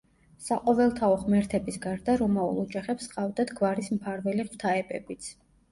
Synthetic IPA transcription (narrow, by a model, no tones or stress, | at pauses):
saqʼɔvɛlˠt̪ʰaɔχmɛɾt̪ʰɛbisɡaɾd̪aɾɔmaṵlˠɔd͡ʒaχɛpsqʼavd̪ad̪ɡvaɾismpʰaɾvɛliʁwt̪ʰaɛbɛbit̪sʰ